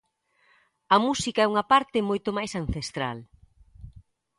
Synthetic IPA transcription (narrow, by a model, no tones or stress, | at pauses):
ɐmusikɐɛuŋɐpaɾt̪ɪmojt̪omajsanθest̪ɾal